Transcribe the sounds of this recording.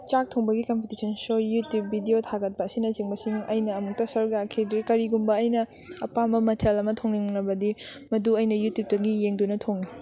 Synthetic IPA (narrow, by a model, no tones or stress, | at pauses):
t͡ʃak̚tʰoŋbɐɡikɐmpʰitisʰɐnsojutjubːʱidiotʰaɡɐt̚pɐɐsinɐt͡ʃiŋbɐsiŋɐjnɐːmuk̚tɐsɐɾukjakʰidɾikɐɾiɡumbɐːjnɐ | ɐpambɐmɐtʰelɐmɐtʰoŋniŋnɐbɐdimɐduɐjnɐjutjup̚tɐɡijeŋdunɐtʰoŋli